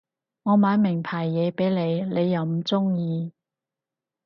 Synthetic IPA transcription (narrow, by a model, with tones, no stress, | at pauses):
ŋɔː˨˧maː˨˥nmɪ˨˩ŋpʰaː˨˩jːɛː˨˧pe˨˥jle˨˧jle˨˧jːɐ˨˧wm̩˨˦t͡sʊ˥ŋjiː˨˧